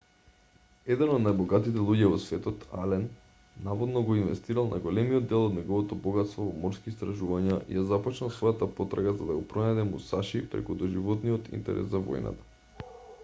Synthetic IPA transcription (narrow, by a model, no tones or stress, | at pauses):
ɛd̪ɛnɔd̪najbɔɡat̪it̪ɛlˠuɟɛvɔsvɛt̪ɔt̪a̰lɛn | navɔd̪nɔɡɔinvɛ̰st̪iɾalˠnʔa̰ɡolɛmiɔd̪ːɛlˠɔd̪nɛɡɔvɔt̪ɔbɔɡat̪st̪vɔvɔmɔɾskiːst̪ɾaʒuvaɲaʔḭjazapɔt͡ʃnalˠsvɔjat̪apɔt̪ɾaɡazad̪aɡɔpɾɔnad̪ɛmusaʃipɾɛ̰kud̪ɔʒivɔt̪nijɔt̪ʰḭnt̪ɛ̰ɾɛ̰szavɔ̰jna̰t̪ḁ